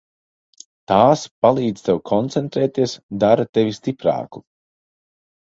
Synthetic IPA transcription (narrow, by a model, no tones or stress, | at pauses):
t̪aːspalˠiːd̪z̥t̪ɛwkʰɔnt̪sɛnt̪ɾɛːt̪iɛsd̪aɾat̪evʲist̪ipɾa̰ːku̥